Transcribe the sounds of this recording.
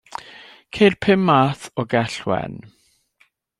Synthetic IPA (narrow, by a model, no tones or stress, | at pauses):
kʰerpʰɪmːaθɔɡɛɬwɛ̰n